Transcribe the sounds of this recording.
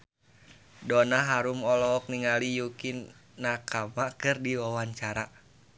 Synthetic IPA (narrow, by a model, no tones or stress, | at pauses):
dɔnaɦaɾumɔlɔɔk̚niŋalijukinːakamakɨrdiwawaɲt͡ʃaɾa